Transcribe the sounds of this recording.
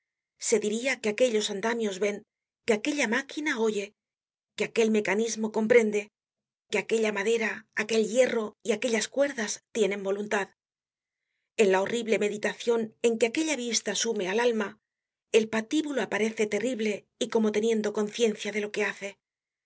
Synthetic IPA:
se̞ðiɾiakeake̞ʎo̞sand̪amjo̞zβe̞ŋ | keake̞ʎamakinao̞ʝe̞ | keake̞lme̞kanizmo̞ko̞mpɾe̞nd̪e̞ | keake̞ʎamaðe̞ɾaːke̞lʎe̞ro̞iake̞ʎaskwe̞ɾðast̪je̞nembo̞lunt̪að | e̞nlao̞riβle̞me̞ðit̪aθjo̞ne̞ŋkeake̞ʎaβist̪asume̞alalma | e̞lpat̪iβuloapaɾe̞θe̞t̪e̞riβle̞ | iko̞mo̞t̪e̞njẽ̞nd̪o̞ko̞nθje̞nθjaðe̞lo̞ke̞aθe̞

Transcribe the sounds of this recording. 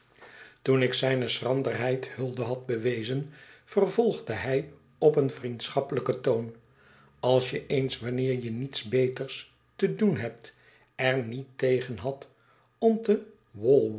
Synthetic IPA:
tunɪksɛjnəsrɑndərɦɛjthɵlˠdəɦɑd̚bəʋejzənfərvɔlˠχdəɦɛj | ɔpənfrintsχɑpələkətown | ɑlˠsjəʔejnsʋɑnɪːɹjənitsbejtəɹs | tədunɦɛp̚t | ɛɹnitejχənɦɑt | ɔmtə | ʋɔlˠ

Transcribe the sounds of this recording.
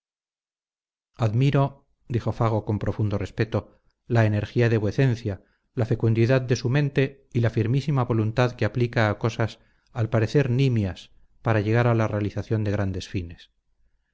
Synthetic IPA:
aðmiɾo | d̪ixo̞faɣ̞o̞ko̞mpɾo̞fund̪o̞re̞spe̞t̪o̞ | laene̞ɾxiaðeβweθe̞n̟θja | lafe̞kund̪iðaðːe̞sumẽnt̪e̞ | ilafiɾmisimaβo̞lunt̪aðkeaplikaːko̞sas | alpaɾe̞θe̞ɾnimjas | paɾaʝe̞ɣ̞aɾalarealiθaθjo̞nd̪e̞ɣ̞ɾand̪e̞sfine̞s

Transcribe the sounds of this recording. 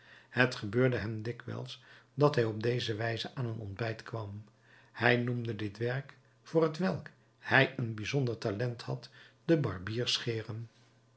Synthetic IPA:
hətχəbøːɹdəɦɛmdɪkʋɛ̰lˠsdɑtɦɛjɔb̚dejzəʋɛjzəʔaːnənɔ̰ndbɛjtkʋɑm | hɛjnumdədɪtʋɛɹk | fʊːrɦətʋɛlˠk | hɛjənbizɔndəɹtalɛnthɑ̰td̥əbɑ̰ɹbiːɹsχɪːrəm

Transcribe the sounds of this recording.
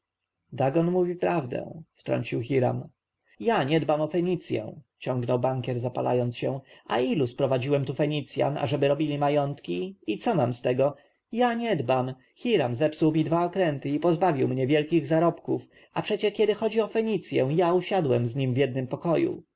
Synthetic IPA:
d̪aɡɔnmuvʲifpɾavd̪ɛ̰̃ft̪ɾɔ̰ɲt͡ɕiwxʲiɾa̰m | jaɲɛd̪bamɔfɛɲit̪sʲjɛ̰̃ | t͡ɕɔ̃ŋɡnɔwbaŋkʲɛɾzapala̰jɔnt̪sɕɛ̃ʔa̰iluspɾɔvad͡ʑiwɛmt̪ufɛɲit̪sʲja̰na̰ʐɛbɘɾɔbʲilʲimajɔnt̪kʲiit̪sɔmamst̪ɛɡɔ | jaɲɛd̪bam | xʲiɾamzɛpsuwmʲid̪vaɔkɾɛnt̪ɘipɔzbavʲiwmɲɛvʲjɛlkʲiɣzaɾɔpkuf | apʂɛt͡ɕɛkʲɛd̪ɘxɔd͡ʑiɔfɛɲit̪sʲjɛ̃w̃jauɕad̪wɛmzɲimvʲjɛd̪̚nɘmpɔkɔjṵ

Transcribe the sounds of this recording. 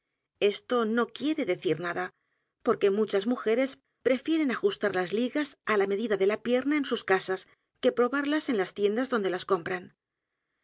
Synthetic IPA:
e̞st̪o̞no̞kje̞ɾe̞ðe̞θiɾnaða | po̞ɾke̞mut͡ʃazmuxe̞ɾe̞s | pɾe̞fje̞ɾe̞naxust̪aɾlazliɣasalame̞ðiðaðe̞lapje̞ɾnaensuskasas | ke̞pɾo̞βaɾlase̞nlast̪je̞nd̪azðo̞nd̪e̞lasko̞mpɾan

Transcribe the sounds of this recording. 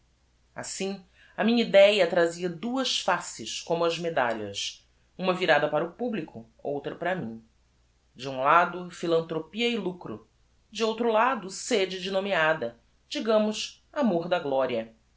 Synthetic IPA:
a̰sĩ | ɐmĩɲɐid̪ɛjɐt̪ɾaziɐd̪uɐsfasɪʃkõmʊɐzmed̪a̰ʎɐ̰s | ũmɐviɾad̪ɐpaɾɐʊpublikʰʊ | o̰wt̪ɾɐpɾɐmĩ | d͡ʒɪũlad̪ʊfilɐ̃nt̪ɾopiɐɪlukɾʊ̰ | d͡ʒɪowt̪ɾʊlad̪ʊsed͡ʒɪd͡ʒɪnomiad̪ɐ | d͡ʒiɡɐ̃mʊs | amoɾd̪ɐɡlɔɾiɐ

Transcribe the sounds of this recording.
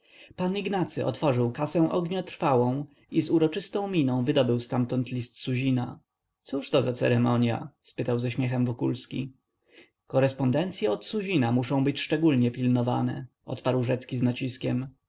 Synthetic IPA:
paniɡnat̪sɘʔɔ̰t̪fɔʐɘwkasɛ̃w̃ʔɔɡɲɔt̪ɾfawɔ̃w̃ | izuɾɔt͡ʂɘst̪ɔ̃w̃mʲinɔ̃w̃vɘd̪ɔbɘwst̪amt̪ɔnt̪lʲist̪suʑina | t̪suʂt̪ɔzat̪sɛ̰ɾɛmɔɲja̰spɘt̪awzɛɕmʲjɛxɛmvɔkulskʲḭ | kɔɾɛspɔnd̪ɛnt̪sʲjɛɔt̪suʑinamuʂɔ̃w̃bɘt͡ɕʂt͡ʂɛɡulɲɛpʲilnɔva̰nɛ̰ | ʔɔ̰t̪paɾwʐɛt̪skʲiznat͡ɕiskʲɛm

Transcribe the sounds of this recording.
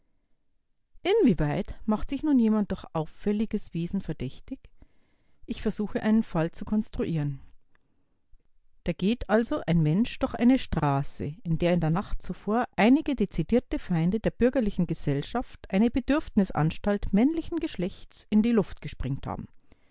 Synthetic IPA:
ʔɪnviːvaɪtmaχtz̥ɪçnuːnjeːmant̚d̥oɐçʔaʊfːɛlɪɡəsv̥eːzn̩fɛɐd̥ɛçtɪç | ʔɪçfɛɐzuːxəʔaɪnənfalt͡sukʰɔnstʁ̥uʔiːʁən | d̥aːɡ̥eːtʔalzoʔaɪnmɛnʃd̥ɔɐxʔaɪnəʃtʁ̥aːsə̰ɪndeːɐɪndeːɐnaχtt͡sufoːɐʔaɪnɪɡədet͡sidiːɐtəfaɪndədeːɐb̥ʏɐɡɐlɪçn̩ɡəzɛlʃaftʔaɪnəbədʏɐfnɪsʔa̰nʃtaltmɛnlɪçn̩ɡəʃlɛçtt͡sʔɪndiːlʊftɡ̥əʃpʁ̥ɪŋtha̰ːbm̩

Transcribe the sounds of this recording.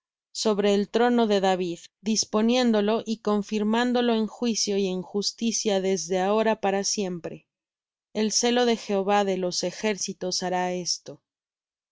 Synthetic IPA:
so̞βɾe̞ːlt̪ɾo̞no̞ðe̞ðaβiðd̪ispo̞nje̞nd̪o̞lo̞ʔiko̞ɱfiɾmãnd̪o̞lo̞enxwisjo̞ieŋxust̪isjaðe̞zðe̞ao̞ɾapaɾasje̞mpɾe̞ | else̞lo̞ðe̞xe̞oβaðe̞lo̞sexe̞ɾsit̪o̞saɾae̞st̪o̞

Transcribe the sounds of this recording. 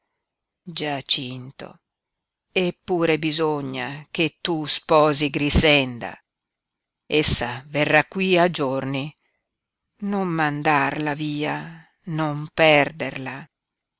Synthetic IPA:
d͡ʒat͡ʃint̪o̰ | epːuːɾebizoɲːa̰k̟et̪ːuspɔːziɡɾisɛnd̪a̰ | esːaverːakːwiad͡ʒorni | nommand̪arlaviːa | nompɛrd̪erla

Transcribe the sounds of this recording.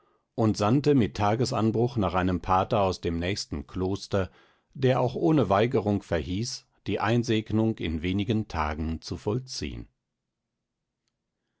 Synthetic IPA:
ʔʊntz̥antəmɪtʰːaːɡəsa̰nbʁʊχnaːχʔaɪnəmpʰaːtɐaʊsd̥eːmnɛːçstn̩kʰloːstɐ | d̥eːɐʔaʊxʔoːnəvaɪɡəʁʊŋkfɛɐɦiːs | d̥iːʔaɪnzeːɡnʊŋkɪ̰nveːnɪɡəntʰa̰ːɡn̩t͡sufɔlt͡sḭːə̰n

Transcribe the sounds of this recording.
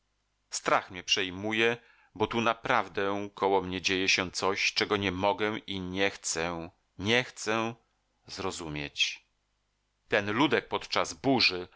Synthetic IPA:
st̪ɾaxmɲɛpʂɛjmujɛ | bɔt̪unapɾavd̪ɛkʰɔwɔmɲɛd͡ʑejɛɕɛ̃t̪sɔɕt͡ʂɛɡɔɲɛmɔɡɛ̃ʔiɲɛxt̪sɛ | ɲɛxt̪sɛ | zɾɔzumʲjet͡ɕ | t̪ɛnlud̪ɛk̚pɔt̪t͡ʂazbuʐɘ

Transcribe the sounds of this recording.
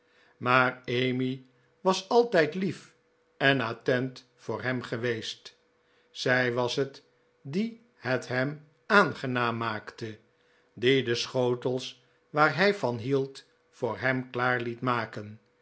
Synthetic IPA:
maːɹejmi | ʋɑsɑlˠtɛjtlif | ɛnaːtɛnt | fʊːɹɦɛmχəʋejst | sɛjʋɑsɦət | di | hətɦɛm | aːnχənaːmːaːktə | didəsχowtəlˠs | ʋaːɹɦɛjfɑnɦilˠt | fʊːɹɦɛmklaːɹlitmaːkən

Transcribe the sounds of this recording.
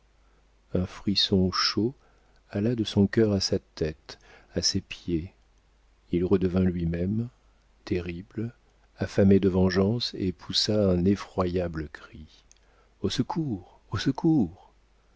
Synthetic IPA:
ɛ̃fχisɔ̃ʃo | alad̪əsɔ̃kʲœʁasat̪ɛt̪asepje | ilʁəd̪əvɛ̃lɥimɛm | t̪eʁibl | afamed̪əvɑ̃ʒɑ̃sḛpʰusaɛ̃nefχwajabləkχi | osəkʰuʁ | osəkʰuʁ

